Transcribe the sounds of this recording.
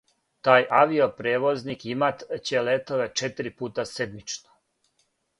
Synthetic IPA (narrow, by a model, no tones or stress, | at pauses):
t̪aːjʔaʋiopɾeːʋoznikimat̪t͡ɕelet̪o̞ʋe̞t͡ʃet̪ɾipuːt̪ased̪mit͡ʃno